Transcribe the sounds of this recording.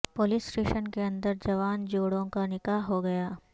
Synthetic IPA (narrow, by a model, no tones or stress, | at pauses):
poːlɪsʈeːʃənkeɐ̃nd̪əɾd͡ʒɐʋaːnd͡ʒoːɽõkanɪkaːɦɦoɡɐjaː